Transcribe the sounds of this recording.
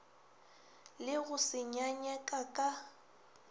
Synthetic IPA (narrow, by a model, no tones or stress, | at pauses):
lɪɣʊsɪɲaɲɛkʼakʼa